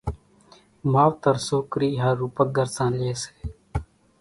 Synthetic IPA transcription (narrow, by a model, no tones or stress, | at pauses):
maːʋt̪əɾsoːkɾiːɦəːuːpək̚ɡəɾsãːnleːse̥ː